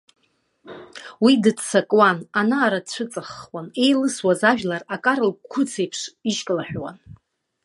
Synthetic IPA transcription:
widɨdsakʼwananaːɾat͡ɕʷʰɨt͡sʼaχwane̞jlɨswazaʒᶣlarakʼaɾɨlkʷʰʊt͡sʰe̞jpʰʂiʃkʼlaħʷᶣwa̰n

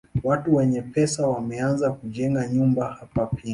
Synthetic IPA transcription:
watuwɛɲɛpɛsawamɛanzakuʄɛŋɡaɲumbahapapʰia

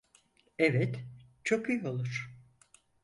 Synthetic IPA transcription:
ɛvɛt̪t͡ʃʰokyjo̞lˠuɾ̥

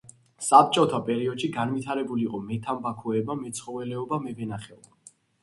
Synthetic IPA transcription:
sap̚t͡ʃʼɔt̪ʰapʼɛɾiɔd̪ʃiɡanvit̪ʰaɾɛbuliqʼɔmɛt̪ʰambakʰɔɛbamɛt̪sʰχɔvɛlɛɔbamɛbɛnaχɛɔba

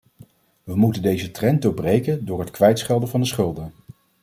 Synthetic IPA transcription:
ʋəmutəndejzətrɛndʊbrejkəndʊːɹɦətkʋɛjtsχɛlˠdəvɑndəsχɵlˠdən

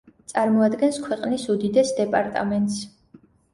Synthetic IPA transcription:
t̪sʼaɾmɔad̪ɡɛnskʰwɛqʼnisud̪id̪ɛsd̪ɛpʼaɾt̪ʼa̰mɛnt̪ʼs

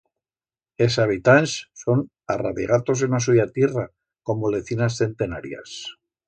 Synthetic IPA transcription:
es̬aβ̞it̪ansːo̞n | ara̰βiɣat̪o̞s̬enas̬uʝat̪jera | ko̞mole̞θinasθe̞nt̪e̞naɾja̰s

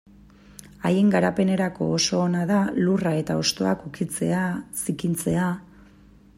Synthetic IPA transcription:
aje̞ŋɡaɾape̞ne̞ɾako̞̰ːso̞ːnaðalurae̞t̪ao̞st̪o̞a̰kukit͡se̞asikint͡se̞a

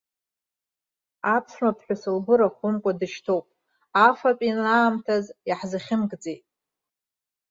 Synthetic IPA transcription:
apʰsmapʰħʷᶣasɨlɡʷʊɾaχʷʊnkʷʼadɨʃtʰowpʼ | afapʼinaːmtʰazjaħzaχʲɪmɡd͡zejtʼ

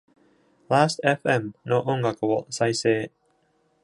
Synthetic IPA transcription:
laːst̪eɸɯ̟emɯno̞ʔõŋɡakɯ̟βosaise̞ː

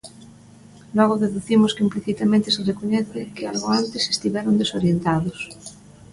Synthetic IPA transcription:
lweɣoðeðuθimoskeimpliθit̪amẽnt̪eserekoɲeθekealɣoant̪ese̥st̪iβjeɾond̪esoɾjent̪aðos

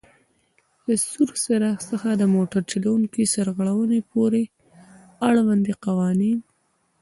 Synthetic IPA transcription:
ləsuɾsaɾɑsəxad̪əmoʈaɾt͡ʃelawuŋkisaɾɣaɽawənepoɾe | aɽwand̪iqawɑnin

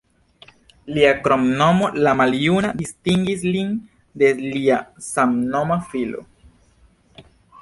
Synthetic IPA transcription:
liakɾomno̞molamaljunadistiŋɡislin | de̞liasamno̞mafilo̞̰

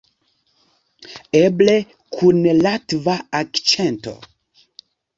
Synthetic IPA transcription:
eble | kʰunlatvaakt͡ʃento̰

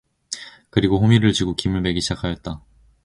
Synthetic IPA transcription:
kɯɾiɡoɸomiɾɯɭt͡ɕiɡokimɯɭme̞ɡiɕʰid͡ʑakʰajʌt̚t͈a

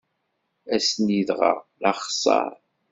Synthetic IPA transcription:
æsniðʁɑ̰ʁlɑχsˤɑ̰ɾˤ

